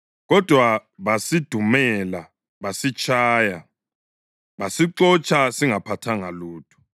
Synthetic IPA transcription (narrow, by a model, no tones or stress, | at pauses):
ɣɔd̥ʱwaβasid̥ʱumɛla | βasit͡ʃʼʰaːja | βasiǀɔt͡ʃʼʰasiŋapʰatʰaŋaluːtʰʼu̥